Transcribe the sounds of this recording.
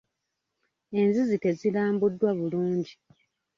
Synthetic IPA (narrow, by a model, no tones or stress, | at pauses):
e̞nzizite̞zilaːmbudːwaβuluːɲɟi